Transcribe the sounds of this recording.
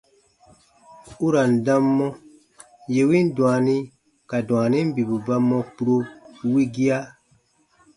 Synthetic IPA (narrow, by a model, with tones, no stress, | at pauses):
u˦ɾa˨n̩˨dã˦mːɔ̃˦ | je˨wĩ˦n˦dw̃a˨nĩ˦ | ka˨dw̃a˨nĩ˦m˦bi˨bu˨ba˦mːɔ̃˧ku˨ɾo˧wi˦ɡi˦a˦